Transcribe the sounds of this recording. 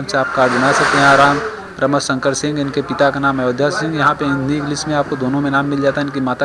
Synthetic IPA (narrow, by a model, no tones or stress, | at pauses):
mseaːp̚kaːɾd͡ʒɐnasɐk̚t̪eɦɛ̃ɾaːm | pɾɐməsɐ̃ŋkəɾsɪ̃ŋɡɪnkepɪt̪akanaːmajd̪ʱjassɪ̃ŋɡjɐɦãpeɪ̃nd̪ʱiɡlɪsmẽaːp̚kod̪oːnõmẽnaːmːɪld͡ʒaːt̪aɦɪnkimaːt̪a